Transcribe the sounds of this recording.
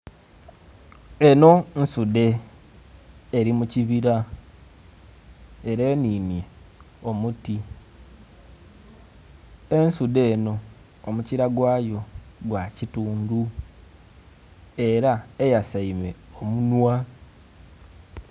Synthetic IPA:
e̞no̞nsude̞ | ɾimuciβiɾa | e̞ɾe̞ːniːnje̞ | o̞muti | e̞nsude̞ːno̞ː | muciɾaɡwaːjo̞ɡwacituːndu | e̞ɾaejasaime̞omunwa

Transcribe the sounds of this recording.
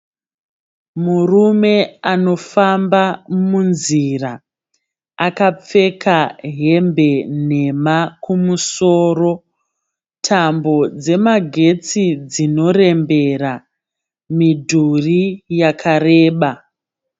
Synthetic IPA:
murume̞ano̞fambamunzira | akap͡fe̞kʰaɦe̞mbe̞ne̞makumuso̞ːro̞ | tʰambo̞d͡ze̞maɡʱe̞t͡sid͡zino̞re̞mbe̞ra | midʱurijakʰareːɓa

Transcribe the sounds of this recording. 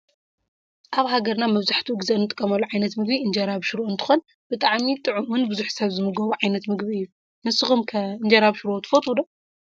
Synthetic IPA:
ʔaβɦaɡɐɾnamɐβzaħt̪ʰuɨɡzenːɨt̪ʼɨkʼːɐmɐlːuʕajnɐt̪mɨɡbiɨnd͡ʒɐɾaβʃuɾoʔɨnt̪ʰɨ̥xon | b̥ɨt̪ʼaʕmit̪ʼɨʕumɨnbɨzuħsɐβzɨmɨɡɐβuʕajnɐt̪mɨɡbiɨjːu | nɨsɨxumkʰɐɨnd͡ʒɐɾaβʃɾot̪ʰɨ̥fɐt̪ʼud̪o

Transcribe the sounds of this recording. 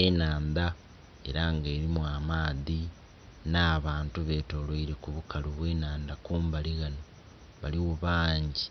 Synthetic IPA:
enaːnd̪a | e̞̰ɾaŋɡe̞ːɾimwamaːði | naːβaːntuβe̞ːto̞ːɾoiɾekuβukaluβwe̞ːnaːnd̪akoːmbaliɣano | βaliwuβaːɲɟi

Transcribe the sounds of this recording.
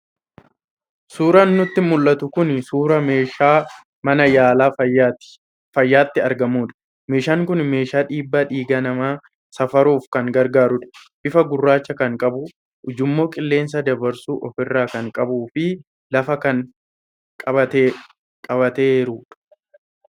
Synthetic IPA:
suːɾɐnːʊt̪ːɪmʊlːɐt̪ʊkʊnsuːɾɐmeːʃaː | mɐnɐjaːlaː | fɐjːaːt̪ːɪɐɾɡɐmuːᶑɐ̥ | me̞ːʃaːŋkʊnme̞ːʃaːᶑiːbːaᶑiːɡɐnɐmaː | sɐfɐɾuːfkɐŋɡɐɾɡaːɾʊᶑɐ̥b̥ɪfɐɡʊrːaːt͡ʃːɐkɐŋkʼɐbʊ | ʔʊd͡ʒʊmːo̞ːkʼɪlːe̞ːns̬ɐd̪ɐbɐɾsuːʔɔfɪrːaːkɐŋkʼɐbuːfɪ | lɐfɐkɐŋ | kʼɐbɐt̪eː | kʼɐbɐt̪eːɾʊᶑ

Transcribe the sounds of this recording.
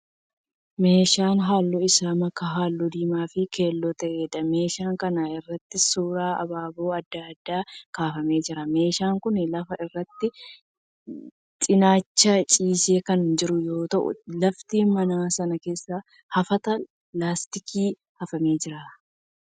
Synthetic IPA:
me̞ːʃaːnɦaːlːɔɪsaːmɐkːɐɦaːlːɔd̪iːmaːfɪkʰe̞ːlːɔt̪ɛʔeːd̪ɐme̞ːʃaːŋkɐnaɪrːɐt̪ːɪsuːɾaːɐ̰baːboːɐd̪ːaɐd̪ːaːkaːfɐme̞ːd͡ʒɪɾɐme̞ːʃaːŋkʊnɪlɐfɐɪrːɐt̪ːɪ | t̪ʼɪnaːt͡ʃːɐt͡ʃʼiːseːkɐnd͡ʒɪɾʊjo̞ːt̪ɐʔʊ̰lɐft̪iːnmɐnaːsɐnɐke̞ːsːɐ | hɐfɐt̪ɐ | laːst̪ɪkʰiː | hɐfɐme̞ːd͡ʒɪɾaː

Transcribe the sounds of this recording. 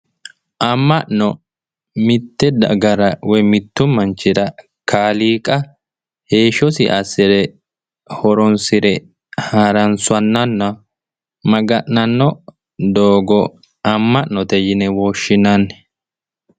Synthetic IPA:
ʔɐmːɐʔnɔ | mɪt̪ːɛd̪ɐɡɐɾɐwɔjmɪt̪ːʊmɐnt͡ʃːɪɾɐ | kʰaːliːkʼɐ | he̞ːʃɔsɪ̰ʔɐsɪɾɛ | hɔɾɔnsɪɾɛ | haːɾɐnsʊɐnːɐnːɐ | mɐɡɐʔnɐnːɔ | d̪oːɡɔ | ɐmːɐʔnɔt̪ɛjɪnɛwɔʃːɪnɐnːɛ

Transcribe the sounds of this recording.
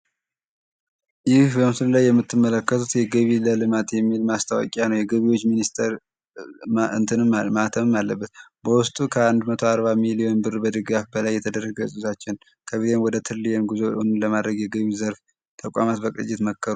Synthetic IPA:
jɪhbəmsɨləlajːɛmːɨt̪ʰːɨmːələkːət̪ʰut̪jɛɡəβiləlɨmat̪jɛmːilmast̪ʰawɔ̰kʼjanəwjɛɡəβiwo̞t͡ʃːminist̪ʰəɾ | ɨnt̪ʰɨnɨmmat̪ʰəmɨmːalːəbːət̪bəwʊst̪ʼukʰəand̪mət̪ʰo̞aɾbamilijo̞nbɨrbəd̪ɨɡafbəlajːɛt̪ʰəd̪ərːəɡɡəsʼuzat͡ʃːɪn | kʰəβit̪enwɔd̪ət̪ʰɨlːijenɡuzo̞unɨnləmad̪ɾəɡjɛɡəβizəɾf | t̪ʰəkʼa̰mat̪bəkʼɨ̰t͡ʃʼːɪt̪məkːəɾu

